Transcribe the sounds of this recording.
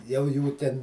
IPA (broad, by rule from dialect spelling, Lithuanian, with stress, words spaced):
jɛʊ ˈjuː tʲɛn